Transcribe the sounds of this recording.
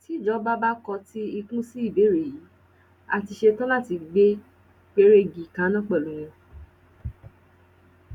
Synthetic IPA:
ti˨˦˨d͡ʒɔ˦ba˦ba˦kɔ˧ti˦i˧kũ˦si˦i˦˨be˨˦ɾe˨ji˨˦ | a˧˨ti˧ʃe˧tɔ̃˦la˦˨ti˧ɡ͡be˦ | k͡pe˦ɾe˦ɡi˨kã˨˦nã˦k͡pɛ˦˨lu˨˦w̃ɔ̃˧

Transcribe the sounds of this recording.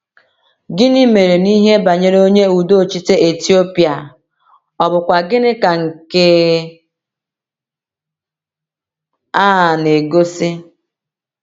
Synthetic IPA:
ɡɪ˦nɪ˦me˨ɾe˨ni˦ɦe˦ba˨ɲe˦ɾo˦ɲe˦u˨do˦˨t͡ʃi˦te˦e˨ti˦o˦pi˨a˨ | ɔ˨bʊ˨kʷa˨ɡɪ˦nɪ˦ka˨ŋ̩˨ke˦ | a˦a˨ne˨ɡo˦sɪ˦

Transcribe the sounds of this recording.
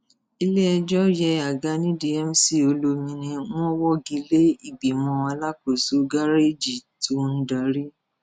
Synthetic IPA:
i˧le˦ɛ˧d͡ʒɔ˦jɛ˧a˨ɡa˧˦nĩ˦di˨ɛ˦m˦si˦˨o˧lo˧mĩ˧nĩ˧w̃ɔ̃˦wɔ˦ɡi˧˦le˦i˦˨ɡ͡bi˨mɔ̃˧a˧la˦ko˨su˦ɡa˦ɾe˦d͡ʒi˨tu˨˦n̩˦da˨˦ɾi˦

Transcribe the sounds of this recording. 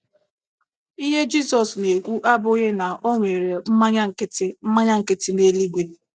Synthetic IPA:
i˦ɦe˦d͡ʒi˦sɔ˨sne˨kʷu˦ʔa˦bʊ˦ɣe˦na˨ʔo˦ŋʷe˨ɾe˨m̩˦ma˦ɲa˦ŋ̩˨kɪ˦tɪ˦m̩˦ma˦ɲa˦ŋ̩˨kɪ˦tɪ˦ne˦li˦ɡ͡bʷe˦

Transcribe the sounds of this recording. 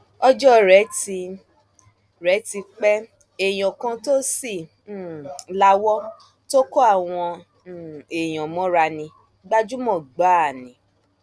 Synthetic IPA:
ɔ˦d͡ʒɔ˦ɾɛ˨˦ti˧ | ɾɛ˨˦ti˧k͡pɛ˦ | e˨j̃ɔ̃˨kã˧to˦si˦˨˦ | la˦wɔ˦ | to˦ko˦a˦˨w̃ɔ̃˧˨ | e˨j̃ɔ̃˨mɔ̃˨˦ɾa˧nĩ˧ | ɡ͡ba˦d͡ʒu˦mɔ̃˦˨ɡ͡ba˦˨nĩ˨˦

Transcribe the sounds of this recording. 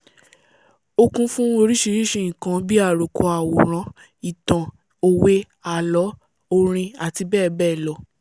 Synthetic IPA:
o˧kũ˧fũ˦o˧ɾi˦ʃi˧ɾi˦ʃe˦˨ĩ˨kã˧˦bi˦a˦˨ɾo˨kɔ˧a˨wo˨ɾ̃ã˨˦ | i˨tã˨ | o˧we˦ | a˦˨lɔ˨˦ | o˧ɾ̃ĩ˧a˨ti˧bɛː˦˨bɛː˦˨lɔ˨˦

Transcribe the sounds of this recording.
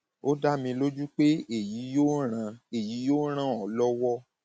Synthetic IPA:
o˦da˦mĩ˧lo˦d͡ʒu˦k͡pe˦e˦˨ji˨˦jo˦ɾã˧e˨ji˨˦jo˦ɾ̃ã˦ɔ˨lɔ˦wɔ˦

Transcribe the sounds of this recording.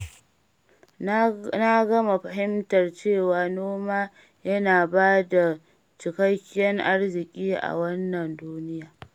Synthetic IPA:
na˦ɡɐ˦ma˨ɸɐ˨ɦɪ˦mtɐ˨rt͡ʃeː˦˨waː˨noː˦maː˦ | jɐ˦naː˨baː˦da˨ | t͡ʃɪ˨kɐ˦kʲːɛ˦ŋʔa˦rzɪ˨kʲʼiː˦ʔa̰˨wɐ˦nːɐ˨nduː˦nɪ˦jaː˨

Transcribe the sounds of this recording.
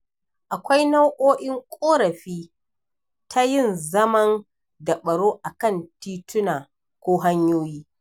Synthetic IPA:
ʔa˨kʷa˦jna˦wʔoː˦ʔɪ˦ŋkʷʼoː˦ɾɐ˨ɸiː˦ | tʰa˦jɪ˦˨nzɐ˦mɐ˦n | dɐ˨ɓɐ˨ɽoː˦ʔa˨kɐ˦˨ntiː˦tʰʊ˦naː˨ | kʷoː˦ɦa˦ɲjoː˦jiː˦

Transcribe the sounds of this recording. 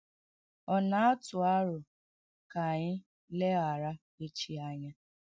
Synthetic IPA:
ɔ˨na˦a˦tʊ˨a˦ɾʊ˨ | ka˨ɲɪ˦ | le˦ɣa˨ɾa˦ | e˦t͡ʃi˨a˦ɲa˦

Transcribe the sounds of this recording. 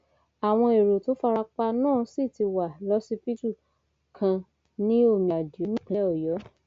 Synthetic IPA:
a˨w̃ɔ̃˧e˨ɾo˨to˨˦fa˧ɾa˧k͡pa˧nãː˦˨˧si˦˨ti˧wa˨lɔ˦si˦pi˦tu˦˨ | kʰã˧ | nĩ˦o˦˨mĩ˨a˨do˨˦nĩ˦k͡pe˨˦ɔ˨jɔ˨˦

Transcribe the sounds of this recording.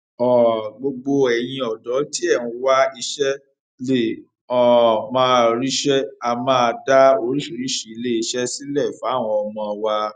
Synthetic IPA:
ɔ˨ɡ͡bo˧ɡ͡bo˧ɛ˨j̃ĩ˧ɔ˨dɔ˨˦ti˦ɛ˦˨wũ˧wa˦i˧ʃɛ˦ | le˦˨ | ɔ˦˨mãː˧ɾi˦ʃɛ˦a˧mãː˧da˦o˧ɾi˦ʃi˨ɾi˦ʃi˨˦le˦i˧ʃɛ˦si˦lɛ˦˨fa˨˦˨w̃ɔ̃˧ɔ˧mɔ̃˧a˧wa˧

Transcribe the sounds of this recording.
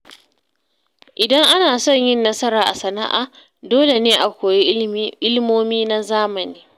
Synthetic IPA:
ʔɪ˨dɐ˦ŋʔa˦naː˨sɔ˦˨ɲjɪ˦nːɐ˦sɐ˦ɾaː˨ʔa˨sɐ˨na̰˦ʔa̰˨ | doː˦le˨neː˦ʔa˨kʷoː˨je˦ɪ˦lmoː˦miː˦na˦zaː˦mɐ˨niː˦

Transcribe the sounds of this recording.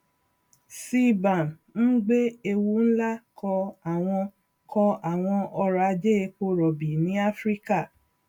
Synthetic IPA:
si˦bã˨n | n̩˦ɡ͡be˦e˧wu˧˦n̩˦la˦kɔ˧a˨w̃ɔ̃˧ | kʰɔ˧a˨w̃ɔ̃˧ʔɔ˧ɾa˨˧d͡ʒe˦˧k͡po˧ɾɔ˨bi˨nĩ˨˦a˦fɾi˦ka˦˨

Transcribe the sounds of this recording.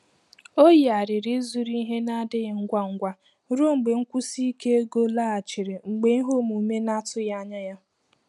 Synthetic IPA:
o˦ji˨a˨ɾɪ˨ɾɪ˦zu˨ɾi˦ɦe˦na˦dɪ˦ɣɪ˨ŋ̩˦ɡʷa˦ŋ̩˦ɡʷa˦ | ɾo˦ŋ͡m̩˨ɡ͡be˨ŋ̩˦kʷu˦si˦ke˦e˦ɡo˦la˦a˨t͡ʃɪ˨ɾɪ˨ŋ͡m̩˨ɡ͡be˨i˦ɦo˦˨mu˨˦me˦na˦tʊ˦ja˦ɲa˦ja˦

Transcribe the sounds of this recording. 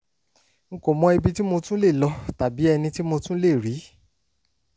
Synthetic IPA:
ŋ̩˨˧ko˨mɔ̃˧i˧bi˧ti˦mo˧tũ˦le˦˨lɔ˧ta˨bi˨˦ɛ˧nĩ˧ti˦mo˧tũ˦le˦˨ɾi˨˦

